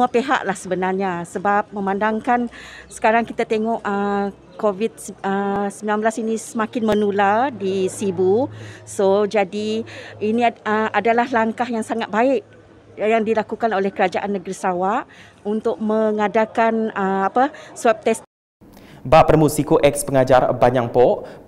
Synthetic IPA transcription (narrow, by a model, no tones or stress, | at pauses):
uapeɦa̰ʔlahsəbənarɲasəbap̚mə̃mãndaŋkansə̥kaɾaŋkit̪at̪eŋɔʔə | kovit̪̚əsəmbilanbəlasinĩsəmãkɪnmə̃nulardisibusod͡ʒadiinĩəadalahlaŋkaɦjaŋsaŋat̪̚baɪʔ | jaŋdilakukanolɛhkəɾad͡ʒaʔanːəɡɾisawaʔ | unt̪ʊk̚mə̃ŋadakanəapasap̚t̪ɛs | baʔpərmusikoʔɛk̚spəŋad͡ʒarbaɲaŋpɔʔ